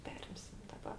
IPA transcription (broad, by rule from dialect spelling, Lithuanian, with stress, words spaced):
ˈpʲæːrʲɪmʲsʲɪm dɐˈbɐ